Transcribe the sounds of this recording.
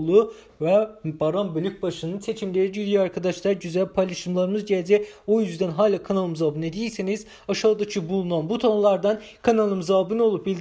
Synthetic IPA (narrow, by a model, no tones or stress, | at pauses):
lˠu | vɛbaɾambølʲycbaʃɯnɯnt͡ʃʰet͡ʃʰimlʲeɾid͡ʒyd̪ijɑɾkʰad̪ɑʃlˠɑɾɟyzælʲpʰalʲiʃɯmlˠaɾɯmɯzɟæld͡ʒɛojyzd̪ænɦaːlʲˠakʰanalˠɯmzabɯned̪ijiɾsiniz̥ | ɑʃaɯd̪acʰibulˠunɑnbut̪ʰonlˠɑɾd̪ɑn | kʰanalˠɯmzabɯno̞lˠup̚bilʲd̪i